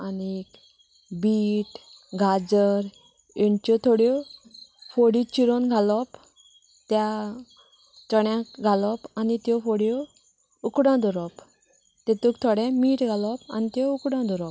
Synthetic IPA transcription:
anik | biːʈ | ɡʱad͡zəɾ | eɳt͡ɕɔt̪ʰoɽjɔ | foɽit͡ɕiɾonɡʱalɔp | t̪ja | t͡sɔɽjãkɡʱalɔpanit̪jɔfoɽjɔ | ukɽãd̪ʱuɾɔp | t̪ɛt̪ukt̪ʰɔɽɛ̃miːʈɡʱalɔpa̰nit̪jɔukɽãd̪ʱuɾɔp̚

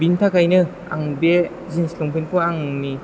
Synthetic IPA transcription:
bintʰakajnɯ | a̰ŋbe | zinslɔŋpʰinpuaŋni

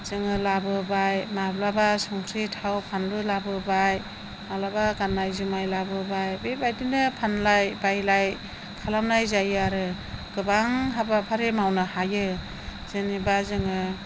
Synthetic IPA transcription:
z̥ɯŋɯlabɯbajmablabasɔŋsʰitʰawpʰanlujlabɯbaj | malabaɡanːajzumajlabɯbajbebajdindɯpʰanlajbajlaj | kʰalawnajzajaɾɯ | ɡɯbaŋɦabapʰaɾemawnɯhajɯ | z̥enibazɯŋɯ

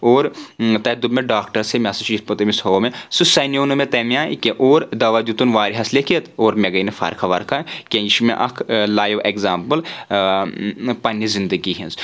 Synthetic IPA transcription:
oːɾt̪ɐd̪ubmeɖaːkʈɐɾsemʲasɐt͡ʃispɐt̪ɐmisoːmẽsɨsɐnjoːnɨmet̪ɐmjaːkeʔoːɾd̪ɐʋaːd̪ʲut̪unʋaːɾiɦɐslekʰet̪oːɾmʲeɡɐinɨfʰɐ̰ɾkʰɐʋɐ̰ɾkʰakʲẽiʃmẽʔɐkʰlaːjʋʔekzaːmpəl | pɐnizind̪əɡiɦinz

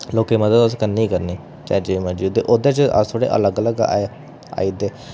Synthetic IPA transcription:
loːkeːməd̪əd̪əskənːiiːkəɾniː | t͡ʃa̰ːd͡ʒeimə̃d͡ʒiːd̪eːʔod̪eːt͡ʃəə̰st̪ʰoːɽḛːʔə̰ləɡələɡa̰ːe | a̰ːiːd̪eː

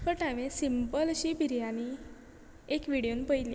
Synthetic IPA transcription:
pəɾʈãmẽsimpəlɕibʱiɾijani | ekʋiɽijonpəjli

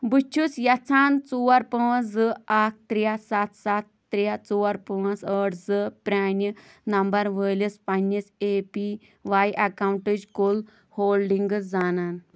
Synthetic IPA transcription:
but͡ʃʰusjɐt͡sʰaːnt͡suːɐɾpəːzɨaːk̚ʰt̪ɾijasat̪sat̪ːɾjat͡suwɐɾpə̃ːsəːʈzɨpɾʲaːni | nɐmbɐɾʋəːlispɐnːisepi | ʋajʔɐkawɳʈɨd͡ʒkul | hoːlɖiŋɡɨd͡zaːnaːn

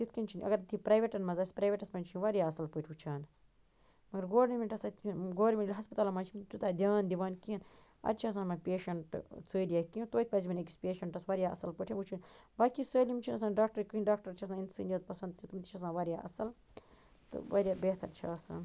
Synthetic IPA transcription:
t̪it̪ʰkinʲt͡ʃʰinʲɐ̰ɡɐɾt̪ʰipɾaːjʋeʈɐnmɐzaːsʲpɾaːʋʲeʈɐsmɐnʲt͡ʃʰinʲiʋaɾʲjaːɐsɐlpəʈʰʲut͡ʃʰaːn | mɐɡɐɾɡoːɾimiʈɐsɐt̪nɡoːɾʲmʲinilɦɐspɐt̪aːlmaːnt͡ʃʰimt̪ut̪aːd̪ʲaːnd̪iʋaːnkiɐn | ɐ̰d̪̚t͡ʃʰaːs̬ãːnmɐpeːʃɐɳʈt͡səːɾijaːkiĩt̪oːit̪̚ʰʲpɐzimɐnek̬ispʲeːʃɐɳʈɐsʋɐɾʲjaːʔɐ̰sɐlpəʈʰĩut͡ʃʰinʲbaːkisəːlʲimt͡ʃʰinɐsaːnɖaːk̚ʈɐɾkɨinɖaːkʈɐɾt͡ʃʰɐsãːint̪sɨ̰ːnjit̪pɐsɐnd̪̚t̪ʰʲit̪umt̪i̥t͡ʃʰɐs̬ãːʋaɾjaːʔɐ̰sɐl | t̪ɨ̰ʋɐɾjaːbeːht̪ɐɾt͡ʃʰaːsa̰ːn

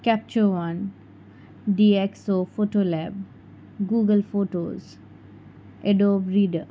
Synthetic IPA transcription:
kɛp̚t͡ʃəɾʋãn | ɖiːeksoːfoːʈolɛb | ɡuːɡəlfoːʈoːz | eɖoːbɾiːɖə

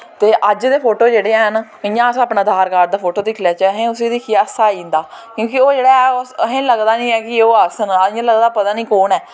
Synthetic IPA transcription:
t̪eːʔəd͡ʒd̪eːpʰoːʈoːd͡ʒeːɽeːɛɦən | ɪjãːsaːpnaːd̪ʱaːɾkaːɾd̪aːpʰoːʈoːd̪ɪːkʰlaːt͡ʃəɦẽːʊsiːd̪eːkʰijaːəsaːiːnd̪aːkjõːkɪoːd͡ʒeːɽaːɛʊsəɦẽːləɡd̪aːnĩːɛːkɪoːasənːãːləɡd̪aːpət̪aːnĩːkoːnɛː

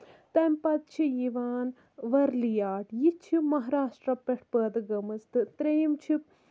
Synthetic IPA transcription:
t̪ɐmpɐt̪̚t͡ʃʰijiʋaːn | ʋɐɾlijaːʈjit͡ʃʰimɐɦaɾaːʂʈɾɐpeʈʰpəːd̪ɨɡɐmɐst̪ɨt̪ɾeːmt͡ʃʰi

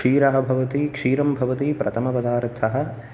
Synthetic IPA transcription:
iːɾɐɦɐ̆bʱɐʋɐt̪ikʂiːɾɐmbʱɐʋɐt̪ipɾɐt̪ʰɐmɐpɐd̪aːɾt̪ʰːɐɦɐ̆

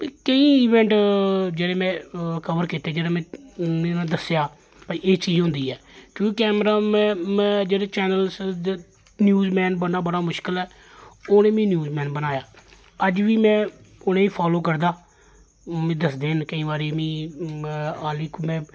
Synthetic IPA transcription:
kəĩːiːʋɛ̃ːɳʈd͡ʒeːɽeːmɛ̃ːkəʋəɾkɪːt̪eːd͡ʒeːɽeːmɛ̃ːenãːd̪əsjaː | pəieːt͡ʃiːd͡ʒɦʊ̃nd̪iːɛːkjõːkikɛːmɾaːmɛ̃ːmɛ̃ːd͡ʒeːɽeːt͡ʃɛːnəls | njuːzmɛːnbəɽaːbəɽaːmʊʃkəlɛː | oːneːmẽːnjuːzmɛ̃ːnbənaːjaː | əd͡ʒʋiːmɛ̃ːʊnẽːiːpʰaːloːkəɾd̪aː | mẽːd̪əsd̪eːnkəĩːbaːɾeːmĩː | aːliːkmɛ̃ː

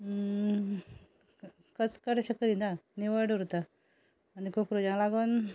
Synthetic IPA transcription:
kəskəɾɕəkəɾinaniʋəɖuɾt̪aː | nikokɾud͡ʑãlaɡon

